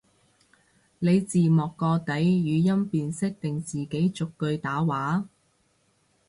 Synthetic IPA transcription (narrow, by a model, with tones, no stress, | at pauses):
le˨˧jt͡siː˨mɔː˨˩kːɔː˧t̪ɐ˨˥jjyː˨˧jɐ˥mpiː˨nsɪ˥k̚t̪ɪ˨ŋt͡siː˨ke˨˥jt͡sʊ˨kːɵ˧ɥt̪aː˨˥waː˨˥